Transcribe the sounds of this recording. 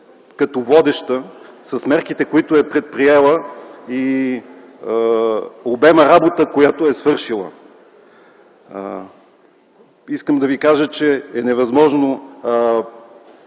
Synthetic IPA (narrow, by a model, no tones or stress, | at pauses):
kɐt̪ɔvɔd̪ɛʃt̪əsɐsmɛɾkit̪ɛkoit̪ʊɛpɾɛt̪̚pɾiɛlˠəi | obɛməɾabot̪əkojat̪ʊɛsvɤɾʃilˠə̰ | iskəmd̪ɐvikaʒət͡ʃɛɛnɛvɐzmɔʒno